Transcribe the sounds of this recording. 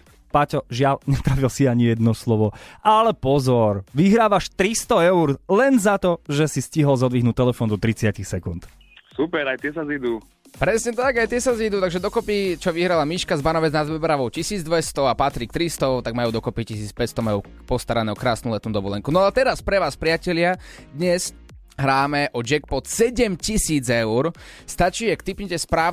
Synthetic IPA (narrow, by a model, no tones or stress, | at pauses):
pacɔʒɪalɲɛt̪ɾaʋilsiaɲijɛd̪nɔslɔʋɔalɛpɔzɔɾʋiɦɾaːʋaʃt̪ɾist̪ɔɛuɾlɛnzat̪ɔʒɛsisciɦɔlzɔd̪ʋiɦnuːt̪ɛlɛfɔːnd̪ɔt̪ɾit͡sɪacixsɛkunt̪ | supɛɾajt̪ɪɛsazid̪u | pɾɛsɲɛt̪aɡajt̪ɪɛsazid̪uːt̪aɡʒɛd̪ɔkɔpit͡ʃɔʋiɦɾalamiːʃkazbanɔʋɛd͡znad̪ʋɛbɾaʋɔʊcisiːd͡zd̪ʋɛst̪ɔapat̪ɾik̚t̪ɾist̪ɔt̪aɡ̚majuːd̪ɔkɔpicisiːt͡spɛcst̪ɔmajuː | pɔst̪aɾanɛːɔkɾaːsnuːlɛt̪nuːd̪ɔʋɔlɛŋkunɔaɛt̪ɛɾaspɾɛʋaːspɾɪacɛlɪad̪ɲɛs | ɦɾaːmɛʔɔd͡ʒɛkpɔt̪sɛɟɛmcisiːd͡zɛʊɾst̪at͡ʃiːakt̪ipɲɛcɛspɾaː